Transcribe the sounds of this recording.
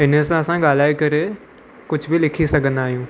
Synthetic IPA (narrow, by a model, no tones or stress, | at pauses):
ɪnsãɐsãɡaːl̤aːikɐɾe | kʊd͡ʑʱbʱilɪkʰisɐɡʱə̃nd̪aːɦijũː